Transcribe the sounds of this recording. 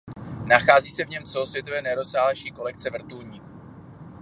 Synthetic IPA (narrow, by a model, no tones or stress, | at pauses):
naxaːziːsɛvɲɛmt͡sɛlo̞svjɛt̪ovɛːnɛɾo̞saːɦlaʃiːko̞lɛk̚t͡sɛvr̩t̪ulɲiːk